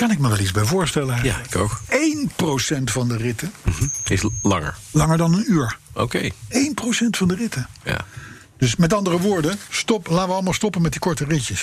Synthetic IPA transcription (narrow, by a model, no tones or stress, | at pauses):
kɑnɪk̚məʋɛlˠizbɛjvʊːɹstɛləɛjaɪkowkejnprowsɛntfɑndərɪtəɪslɑ̰ŋə̰ɹlɑŋəɹdɑnənyːɹo̰kejejnprosɛntfɑndərɪtəja̰ | d̥ɵsmɛtɑndərəʋʊːɹdəstɔplaːʋəɑləmaːlˠstɔpənmɛtdikɔɹtərɪcəs